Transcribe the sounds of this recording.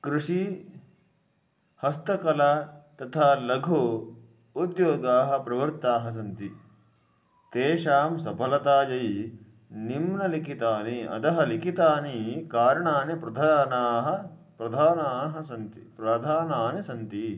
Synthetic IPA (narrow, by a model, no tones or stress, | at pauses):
kɾuʂi | hɐst̪ɐkɐlat̪ɐt̪ʰaːlɐɡʱo | ud̪joːɡaːɦɐ̆pɾɐʋɐɾtt̪aːɦɐs̬ɐnt̪i | t̪eːʃaːmsɐpɐlɐt̪aːd͡ʒɐj | nimnɐlikʰit̪aːniɐ̰d̪ɐɦɐlikʰit̪aːnikaːɾɐɳaːnepɾɐd̪ʱaːnaːɦɐ̆ | pɾɐd̪ʱaːnaːɦɐsɐnt̪ipɾɐd̪ʱaːnaːnisɐnt̪i